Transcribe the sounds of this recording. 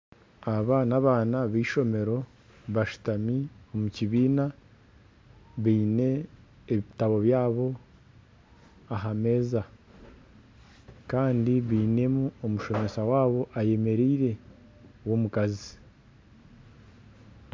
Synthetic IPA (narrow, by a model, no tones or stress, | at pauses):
aβaːnaβaːnaβiːʃo̞me̞ɾo̞ | βaʃu̥tamio̞muciβiːna | βiːne̞ː | βitaβo̞βjaːβo̞ | aɦame̞ːza | kaːndiβiːne̞muo̞muʃo̞mesawaːβo̞ʔaje̞me̞ɾiːɾe̞ | wo̞mukazi̥